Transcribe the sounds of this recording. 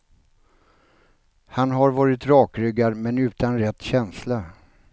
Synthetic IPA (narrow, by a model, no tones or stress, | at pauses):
hanɦaɾvɑːɾɪt̪ɾɑːkɾʏɡaɾmɛnʉ̟ːt̪anɾɛt̪ːɕɛnsla